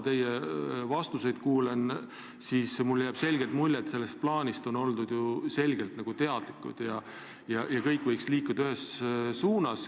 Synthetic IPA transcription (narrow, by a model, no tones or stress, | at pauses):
t̪e̞jevɑst̪use̞jd̪̥kuːlen | siːsmuljæːb̥se̞lʲɡelt̪mulʲːet̪se̞lːest̪̚plɑːnʲist̪o̞no̞ld̪ud̪̥juse̞lʲɡe̞lt̪nɑɡ̥ut̪e̞ɑd̪̥likːˑṵd̪̥jɑ | jɑjɑkɤjkːˑvɤjksliːkːˑud̪̥ɑyɦessuːnɑs